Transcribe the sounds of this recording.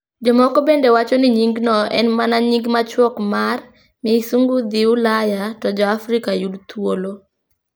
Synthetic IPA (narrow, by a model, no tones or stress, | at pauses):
d͡ʒɔmɔkobendewat͡ʃɔnɪɲiŋɡnɔɛ̰nmanaɲiŋɡmat͡ʃwɔkmar | misuŋɡud̪ɪulajatɔd͡ʒɔafɾikajudt̪wolo